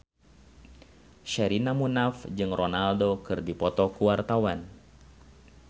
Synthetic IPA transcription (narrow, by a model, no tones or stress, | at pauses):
ʃɛɾinamunafd͡ʒɨŋrɔnaldokɨrdipɔt̪ɔkuwart̪awan